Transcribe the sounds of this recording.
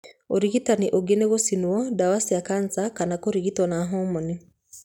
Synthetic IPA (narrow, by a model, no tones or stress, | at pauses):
oɾiɣitaniʔoɡeneɣosinwɔdawasiakant͡sakanakoɾiɣitɔnaɦɔmɔni